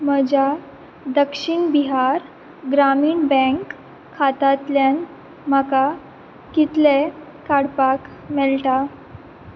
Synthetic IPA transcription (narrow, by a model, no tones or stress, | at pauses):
məd͡ʑa | d̪əkʂiɳbiɦaɾ | ɡɾamiːɳbɛ̃ŋkʰː | at̪at̪ljan | m̤əka | kit̪le | kaɽpak | mɛlʈa